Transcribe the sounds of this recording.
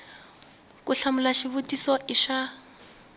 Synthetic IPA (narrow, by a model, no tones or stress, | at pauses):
kʼuɬamʊlaʃiβutʼisɔʔɪʃa